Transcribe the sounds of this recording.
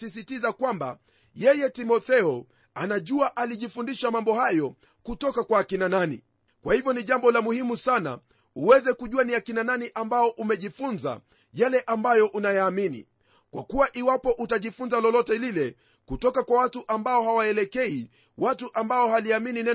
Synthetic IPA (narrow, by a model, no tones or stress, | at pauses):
is̬itizakwamba̰ | jɛjɛtimɔθɛɔ | anaʄuaʔaliʄifundiʃamambɔhajɔ | kutɔkakwaːkinananḭ | kwahivjɔniʄambɔlamuhimusana̰ | uwɛzɛkuʄuaniakinananiʔambaɔʔumɛʄifunza̰ | jalɛʔambajɔʔunajaːminḭ | kwa̰kuwaʔiwapɔʔutaʄifunzalɔlɔtɛlilɛ | kutɔkakwawatuʔambaɔhawaɛlɛkɛi | watuʔambaɔɦaliamininɛ